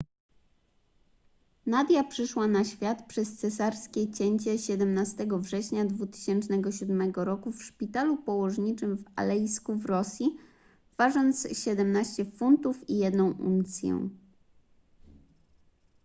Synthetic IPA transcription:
nad̪ʲjapʂɘʂwanaɕfʲjat̪pʂɛst̪sɛsaɾskʲɛt͡ɕɛɲt͡ɕɛɕɛd̪ɛmnast̪ɛɡɔvʐɛɕɲad̪vut̪ɘ̥ɕɛnt͡ʂnɛɡɔɕud̪mɛɡɔɾɔkufʂpʲit̪alupɔwɔʐɲit͡ʂɘmva̰lɛjskuvɾɔsʲji | v̥aʐɔnt̪sɕɛd̪ɛmnaɕt͡ɕɛfunt̪ufijɛd̪nɔ̃w̃ʔṵnt̪sʲjɛ̰w

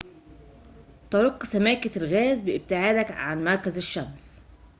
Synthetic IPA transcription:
t̪ɑɾɑqːsæmæːkɪlɣæːzbɪʔɪb̚t̪ɪʕaːd̪ækʕanmɑɾˤkæzɪʃːæms

